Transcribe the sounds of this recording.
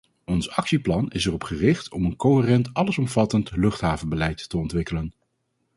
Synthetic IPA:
ɔnsɑksiplɑnɪsɛrɔpχərɪχtɔmənkoɦərɛntɑləsɔmv̥ɑtəntlɵχtɦaːvənbəlɛjtːəɔntʋɪkələn

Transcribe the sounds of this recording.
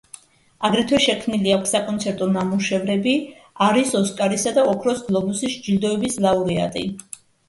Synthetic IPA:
aɡɾɛt̪ʰwɛʃɛkʰmniliakʷʰsakʼɔnt̪sʰɛɾt̪ʼɔnamuʃɛvɾɛbi | aɾisɔskʼaɾisad̪aɔkʰɾɔsɡlˠɔbusisd͡ʒild̪ɔɛbislˠauɾɛa̰t̪ʼḭ

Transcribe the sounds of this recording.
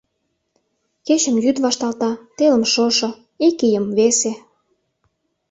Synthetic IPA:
ket͡ɕə̆mjyd̪βɑʃt̪ɑlt̪ɑt̪elə̆mʃoʃŏ | ekijə̆mβese

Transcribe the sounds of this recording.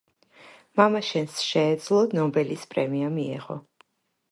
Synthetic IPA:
mamaʃɛnsʃɛːd̪zlˠɔnɔbɛlispʼɾɛmiamiɛ̰ʁɔ̰

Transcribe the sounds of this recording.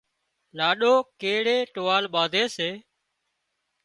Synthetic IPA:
laːɗoːkeːɽeːʈoːaːlɓaːd̪ʱeːseː

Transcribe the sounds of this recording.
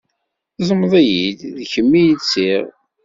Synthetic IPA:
zˤəməðˤæjid̪ðçəmːijət͡sːiʁ

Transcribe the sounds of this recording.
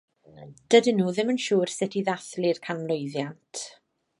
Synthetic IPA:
d̥ədɪnuːðɪmənʃuːrsɪtʰiðaθlirkʰanmlˠojðjantʰ

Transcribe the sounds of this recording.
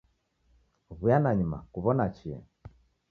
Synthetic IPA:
βujanaɲuma̰kuβɔnat͡ʃiɛ̰

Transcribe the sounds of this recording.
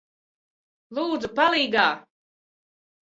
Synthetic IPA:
lˠuːd̪zupalˠiːɡaː

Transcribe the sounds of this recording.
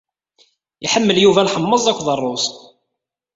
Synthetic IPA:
iħəmːəljuvælħəmːəzˤækʷːðˤərˤːʊs

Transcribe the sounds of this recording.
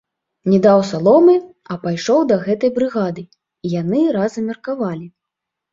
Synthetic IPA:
nʲɛd̪awsalˠɔmɨ | ɐpajʂɔwd̪ɐɣɛt̪ɐjbɾɨɣad̪ɨ | ijanɨɾazɐmʲɛrkavalʲi

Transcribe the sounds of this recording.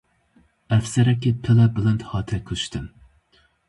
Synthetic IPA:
æfsæɾɛkʲːɪtʰɪlɛbɪlɛnt̪hɑːt̪ʰɛkʲʰøʃt̪ʰɨn

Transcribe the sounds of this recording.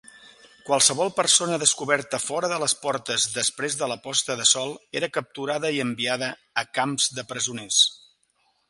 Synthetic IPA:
kwalˠsəβ̞ɔlˠpərsonəðəskuβɛɾt̪əfɔɾəðələspɔɾt̪əzðəspɾezðələpɔst̪əðəsɔlˠeɾəkəp̚t̪uɾaðəiəmbiaðəː | kamzðəpɾəzunes

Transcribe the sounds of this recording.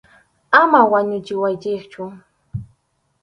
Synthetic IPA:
amawaɲʊt͡ʃɪwajt͡ʃɪkt͡ʃʊ

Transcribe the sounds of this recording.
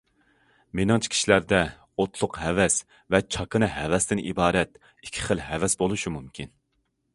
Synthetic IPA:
menɑŋt͡ʃʰi̥kʰʲi̥ʃilæɾd̪ɛ | ot̪ʰlˠʊqhɛvɛs | vɛt͡ʃʰɑkʰɨnɨɦɛvɛst̪ɪnʔḭbɑːɾɛt̪ | ikʲʰːi̥χəlˠɦɛvɛsbolˠuʃumumkʲʰin

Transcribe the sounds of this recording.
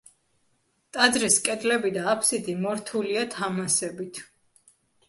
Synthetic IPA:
t̪ʼad̪ɾiskʼɛd̪lɛbid̪aːpʰsid̪imɔɾt̪ʰuliat̪ʰamasɛbit̪ʰ

